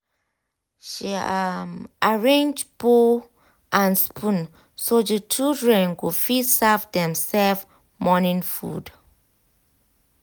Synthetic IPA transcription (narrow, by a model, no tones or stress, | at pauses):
ʃi | aɹẽnd͡ʒbo | ʔãnspʰũn | sodət͡ʃildɹɛ̃nɡufisavdɛ̃msɛlv | mɔnĩnfṵd